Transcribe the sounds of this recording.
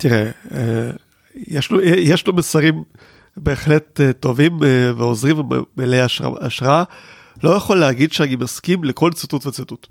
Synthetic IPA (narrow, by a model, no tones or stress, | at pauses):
tiʁee | jeʃlujejeʃlomesaʁim | be̞ːχlettːo̞vimveozʁim̰melejaa̰aʃʁaa | lo̞jaχolːeaɡid̪ʃeanimaskimleko̞lt͡sututvet͡situt